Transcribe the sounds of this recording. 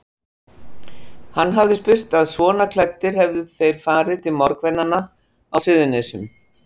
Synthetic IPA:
hanːɦavðɪspɪr̥t̪aðsvɔːnakʰlɛjt̪ːɪɾ̥hɛvðɪθejɾ̥faːɾɪt̪ʰɪlmɔɾkvɛnːanːa | awsʏðʏnesʏm

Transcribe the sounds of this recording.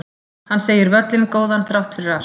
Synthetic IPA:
hanːseːjɪɾvœt̪lɪnkoːwðanθɾawht̪fɪɾɪɾal

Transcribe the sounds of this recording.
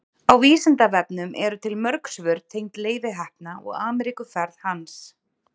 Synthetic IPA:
awviːsɪnt̪avɛpnʏmʔɛɾʏt̪ʰɪlmœɾksvʏɾt̪ʰːejŋ̥t̪leːjvɪɦɛhp̚naʔɔ̰ɣaːmɛɾikʏfɛɾðhans

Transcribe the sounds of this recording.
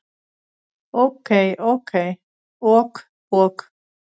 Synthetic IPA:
okejʔokʰej | ok | ok

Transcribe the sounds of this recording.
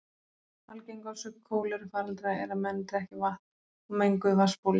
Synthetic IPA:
falcejŋkawsʏkʰːoːwlɪɾfaːɾalt̪ɾajɛɾamɛnt̪ɪɾɛhcɪvaht̪n | ɔmejŋkʏvaspowl

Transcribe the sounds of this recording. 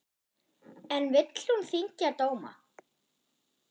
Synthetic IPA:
ɛnvɪt̪l̥hunθiɲcɪat̪oːwma̰

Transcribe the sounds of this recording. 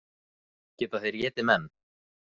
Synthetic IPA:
cɛːt̪aθejɾjɛːt̪ɪmɛn

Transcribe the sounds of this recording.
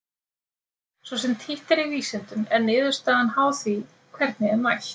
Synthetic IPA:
svɔs̬ɛmt̪ʰiht̪ɛɾiviːsɛnt̪ʏmɛnːɪːðʏst̪aanhaːwθvi | kʰvɛɾt̪̚nɪɛnmajç

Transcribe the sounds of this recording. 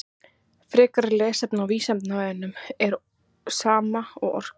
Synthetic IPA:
fɾɪːkaɾlɛːsɛpnawviːsɛmt̪navɛðʏnːʏmɛɾ | saːmaɔɣɔ̰r̥k

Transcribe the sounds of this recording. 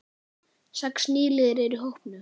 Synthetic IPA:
sɛksniːlɪːðɾɛɾʏɦowhpnʏ

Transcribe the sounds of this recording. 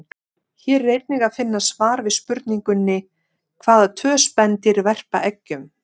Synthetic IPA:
çɛːɾːejt̪nɪɣafɪnːasvaːɾvɪðspʏɾt̪niŋkʏnːɪ | kʰvaːðat̪ʰœːspɛnt̪ɪɾvɛr̥pa̰ʔɛcːʏm

